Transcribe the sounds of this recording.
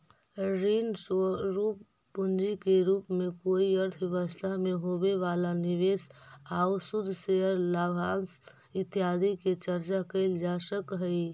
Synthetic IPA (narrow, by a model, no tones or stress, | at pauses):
ɾinsoɾupː | und͡ʒikeɾupmekoiəɾt̪ʰʋeβəst̪ʰaɦmeɦobeβalaniʋesausud̪ʱːseəɾlabʱans | it̪ijad̪iket͡ʃəɾt͡ʃakəld͡ʒasəkɦəɪ